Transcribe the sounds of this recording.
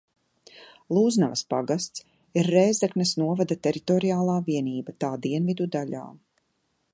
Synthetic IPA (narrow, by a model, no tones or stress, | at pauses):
lˠuːznavaspaɡast̪s | iɾːɛːzd̪aknɐsnuɔvad̪at̪ɛɾit̪ɔɾiaːlˠaːviɛniːbat̪aːd̪iɛnvid̪ud̪aʎa̰ː